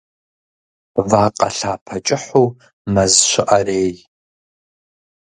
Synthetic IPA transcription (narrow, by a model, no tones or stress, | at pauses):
vaːqʼɐ̰ɬaːpʰɐt͡ʃʼɪħuː | mɐzɕʷɪʔɐreːj